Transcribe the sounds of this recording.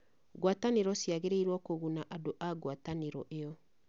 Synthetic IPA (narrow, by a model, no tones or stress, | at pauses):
ɣwataneɾɔsjaɣeɾeiɾwɔkoɣunaʔadoʔaɡwataneɾɔ̰ʔejɔ